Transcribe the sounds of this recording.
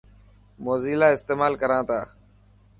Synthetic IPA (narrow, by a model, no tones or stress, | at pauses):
moːziːlaːɪst̪eːmaːlkəɾãːt̪ʰaː